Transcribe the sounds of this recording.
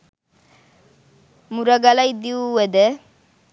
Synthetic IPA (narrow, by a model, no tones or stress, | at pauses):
muɾaɡalajd̪iuɛd̪ɛ